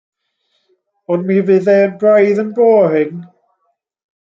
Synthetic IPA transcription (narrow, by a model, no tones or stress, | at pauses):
ɔnmiːvɨðɛənbrajðənboːhɪŋ